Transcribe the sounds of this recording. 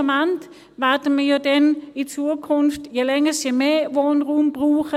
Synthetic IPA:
mant | ʋatəməjoːdɛnit͡suəkʰʊnftjelɛŋəsemeʋoːnʁuːmb̥ʁuːχə

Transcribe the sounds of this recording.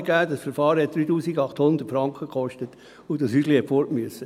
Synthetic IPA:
ɡæːdɑsfəɾfɑːɾhɛt̚d̥ɾyːtuːsiɡɑχthʊnd̪ətfɾɑŋkχəkχɔʃtət | ʊdɑshy̥ːlihɛtfɔɾtmyəsə

